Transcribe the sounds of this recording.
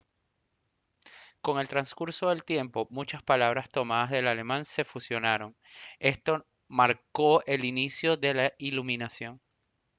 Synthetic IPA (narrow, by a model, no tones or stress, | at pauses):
ko̞ŋe̞lt̪ɾanskuɾso̞ðe̞lt̪je̞mpo̞mut͡ʃaspalaβ̞ɾast̪o̞maðazðe̞lale̞mãnse̞fusjo̞naɾo̞ŋ | e̞st̪o̞ | maɾko̞e̞linisjo̞ðe̞lailuminasjo̞ŋ